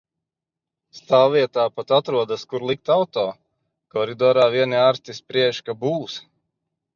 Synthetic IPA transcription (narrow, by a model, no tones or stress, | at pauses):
st̪aːwːiɛt̪aːpat̪at̪ɾuɔd̪askuɾlˠik̚t̪awt̪ɔː | kɔɾid̪ɔːɾaːviɛniaːɾst̪ispɾiɛʃkabuːs